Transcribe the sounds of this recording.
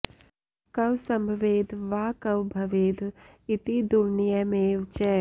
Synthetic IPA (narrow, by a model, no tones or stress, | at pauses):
kɐwsɐ̃mbʱʋeːd̪ʱʋaːkɐwbʱɐʋeːd̪ʱ | it̪id̪uɾnijɐmeːʋt͡ʃɛː